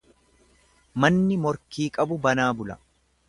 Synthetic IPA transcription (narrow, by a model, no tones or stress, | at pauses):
mɐnːɪmɔɾkiːkʼɐbʊbɐnaːbʊlɐ̰